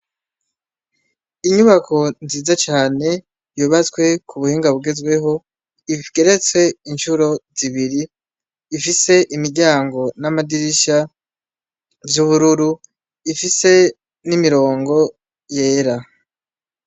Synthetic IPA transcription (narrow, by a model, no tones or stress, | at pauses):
iɲuβakʰo̞nziːzat͡ʃaːne̞ | juːβat͡swe̞kʰuβuhiːŋɡaβuɡe̞zɡwe̞ɦo̞ | iɡ̥e̞ɾe̞t͡swe̞inʃuɾo̞ziβiɾiː | fise̞ʔimiɾɟaːŋɡo̞namadiɾiʃa | vjuβuɾuɾu | ifise̞ | nimiɾo̞ːŋɡo̞ | je̞ːɾa